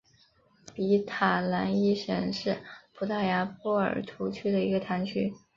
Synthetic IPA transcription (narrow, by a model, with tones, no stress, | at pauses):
pi˧˥t̪ʰa˨˩la˧˥ni˥ʂə˨˩nʂɻ̩˥˩pʰu˧˥t̪ʰa˥˩ja˧˥pɔ˥˩ə̰˞˨˩t̪ʰu˧˥t͡ɕʰy˥d̪ə˨i˧˥ɡə˧t̪ʰa˧˥nt͡ɕʰy˥